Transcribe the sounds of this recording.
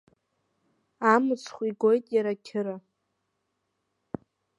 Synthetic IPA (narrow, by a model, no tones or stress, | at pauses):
amɨt͡sʰχʷiɡo̞jtʼjaɾakʲʰɪɾa